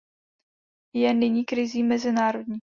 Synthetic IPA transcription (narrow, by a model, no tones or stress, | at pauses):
jɛnɪɲiːkɾɪziːmɛzɪnaːɾo̞dɲiː